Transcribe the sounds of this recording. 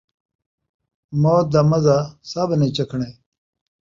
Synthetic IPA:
moːt̪̚d̪ɐmɐzasɐbnet͡ɕɐkʰɳe

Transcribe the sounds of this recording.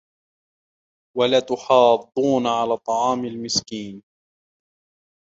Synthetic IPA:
walat̪ʊħɑːd̪ˤːuːnaʕalaːt̪ˤɑʕɑːmalmɪskiːn

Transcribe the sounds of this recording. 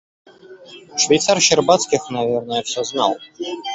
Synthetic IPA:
ʂvʲɛjt̪sarɕɪrbat̪skʲixnavʲɛrnəjəfsʲɔzna̰lˠ

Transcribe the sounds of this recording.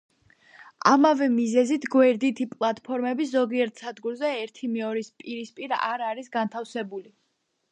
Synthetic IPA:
a̰mavɛmizɛzit̪ʰɡwɛɾd̪it̪ʰipʼlˠat̪ʼpʰɔɾmɛbiszɔɡiɛɾt̪ʰsad̪ɡuɾzɛːɾt̪ʰimɛɔɾispʼiɾispʼiɾa̰ɾaɾisɡant̪ʰafsɛbuli

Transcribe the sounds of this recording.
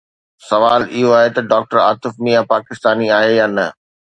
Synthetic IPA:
sɐʋaːlɪɦoaːɦet̪ɐɖaːk̚ʈəɾa̰ːt̪ɪfmijapaːkɪst̪aːniaːɦejaːnɐ

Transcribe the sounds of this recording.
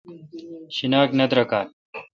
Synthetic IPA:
ɕinaːknɐd̪ɾɐkaːn

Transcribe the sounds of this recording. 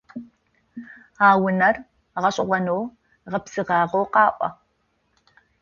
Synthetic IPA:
aːwʊnɐr | ʁɐɕʼʊʁʷɐnow | ʁɐpsɨʁɑːʁowqɑːʔʷɐ̰

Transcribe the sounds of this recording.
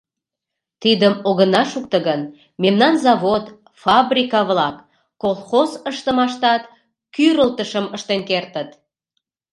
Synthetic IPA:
t̪id̪əmoɣənɑʃuk̚t̪əɣən | memnɑnzɑβot̪ | fɑbrʲikɑβlɑkː | olˠxozəʃt̪əmɑʃt̪ɑt̪ | kyɾəlt̪əʃəməʃt̪enkert̪ət̪

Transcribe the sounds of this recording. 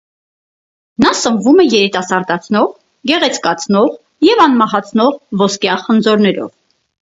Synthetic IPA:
nɑsəmvumɛjɛɾit̪ɑsɑɾd̪ɑt͡sʰnɔʁ | ɡɛʁɛt͡sʰkɑt͡sʰnɔʁ | jɛvɑnmɑɦɑt͡sʰnɔʁvɔskjɑχənd͡zɔɾnɛɾɔ̰v

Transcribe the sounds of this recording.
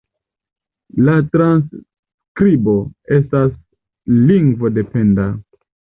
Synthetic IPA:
latɾans | kɾibo̞e̞stas | liŋɡvo̞de̞pe̞nda

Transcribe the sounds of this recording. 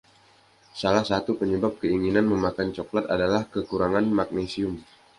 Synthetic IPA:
salahsat̪upəɲəbap̚kəiŋinanməmakant͡ʃoklat̪adalahkəkuɾaŋanmak̚nesiʊm

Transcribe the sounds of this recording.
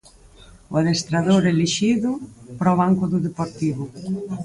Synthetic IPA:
waðest̪ɾaðoɾeliʃiðupɾɔβaŋkʊðuðepoɾt̪iβʊ

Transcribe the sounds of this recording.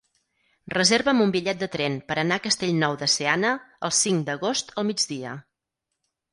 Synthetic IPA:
rəzeɾβəːmumbiʎɛt̪̚d̪ət̪ɾɛnpəɾənaəkəst̪eʎnɔwðəseanəəlˠsiŋd̪əɣost̪əlˠmid͡ʒðiə̰

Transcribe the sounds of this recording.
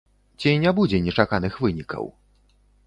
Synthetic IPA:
d͡ʑejɲɛbud͡ʑɛɲɛt͡ʂakanɘxvɘɲika̰w

